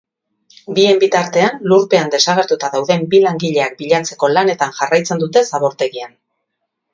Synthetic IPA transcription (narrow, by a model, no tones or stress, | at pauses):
bie̞mbit̪aɾt̪e̞anluɾpe̞and̪e̞saɣ̞e̞ɾt̪ut̪aðawðe̞mbilaŋɡiʎe̞ak̚biʎant͡se̞ko̞lane̞t̪anʝarajt͡se̞nd̪ut̪e̞saβo̞ɾt̪e̞ɣian